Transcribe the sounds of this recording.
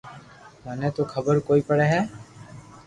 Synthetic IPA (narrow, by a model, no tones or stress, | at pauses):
mənɛt̪okʰəbəɾkoːiːpəɽeɦɛː